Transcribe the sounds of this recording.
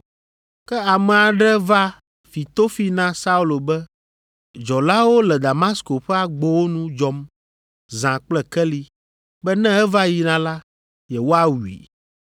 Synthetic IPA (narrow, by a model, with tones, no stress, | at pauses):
kɛ˦a˨mɛ̃˨a˨ɖɛ˦va˦ | fi˨t̪o˦fi˦nã˦sa˦u˦lo˨bɛ˦ | d͡ʒɔ˨la˦wo˦lɛ˨d̪a˨ma˦sko˨ɸɛ˦a˨ɡ͡bo˦wo˦nũ˦d͡ʒɔ˨m | zã˨k͡plɛ˨kɛ˦li˨ | bɛ˦nɛ̃˦ɛ˦va˦ji˨nã˨la˦ | jɛ˨wo˦a˦wu˨ḭ˨